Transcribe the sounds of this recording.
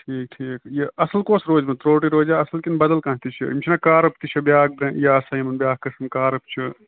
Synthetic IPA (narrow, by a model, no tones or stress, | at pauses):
ʈʰiːk̚ʈʰiːkjiɐsəlkoːsɾoːd͡ʒmet̪ɾoːʈiɾoːd͡ʒaːɐsəlkinbɐd̪ɐlkãːnt̪it͡ʃʰḭimt͡ʃʰinakaːɾɐpt̪it͡ʃʰɐbjaːk̚bɾẽjɐɐsajimɐnbʲjaːk̚kːɐsɐnkaːɾɐp̚t͡ʃʰi